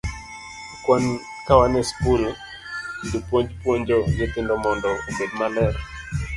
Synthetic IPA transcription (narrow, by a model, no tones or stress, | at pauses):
kwan | kawanɛspul | ndupwoɲd͡ʒpwoɲd͡ʒɔɡɪtɪndɔmɔndɔumedmalɛɾ